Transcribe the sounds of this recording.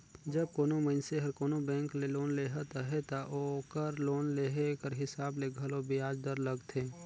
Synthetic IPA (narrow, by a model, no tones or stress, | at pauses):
d͡ʒəb̚koːnoməɪnseɦɐɾkoːnobɛ̃ːŋkleloːnleːɦat̪aɦɛt̪aʔokəɾloːnleːɦekəɾɦɪsaːbleɡʱəlobiaːd͡ʒd̪əɾləɡt̪ʰeː